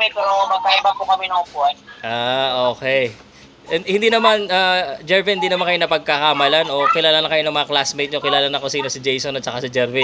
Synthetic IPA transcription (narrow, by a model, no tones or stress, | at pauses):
ɛkɐɾonok̪ɐʔɪbapokɐmɛnɐʔʊbuːhanʔaːʔoːkɛj | ʔɛhɪnd̪iːnɐmanad͡ʒɛɹvɪhɪnd̪iːnɐmankɐjonɐpɐɡ̚kakamɐlanʔo̞kɪlaːlanɐkɐjo̞nɐŋmɐŋɐklasmejt̪̚ɲokɪlaːlanɐko̞siːno̞sɪd͡ʒejsonɐt̪t͡ʃɐkasɪd͡ʒɛɹvɪ